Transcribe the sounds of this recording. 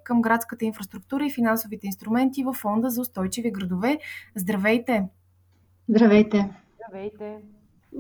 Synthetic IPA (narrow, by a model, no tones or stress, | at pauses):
kəmɡɾat̪skət̪əinfɾəst̪ɾuk̚t̪uɾəifinansʊvit̪ɛinst̪ɾumɛnt̪ivɐfːɔnd̪əzɐʊst̪ɔjt͡ʃiviɡɾəd̪ovɛzd̪ɾɐvɛjt̪ɛ | zd̪ɾɐvɛjt̪ɛ